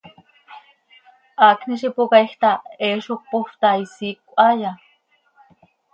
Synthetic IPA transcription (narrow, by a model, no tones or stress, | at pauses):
ʔakniʃ̬ipokaiht̪aeʃok̚poft̪aisiːkːʷaja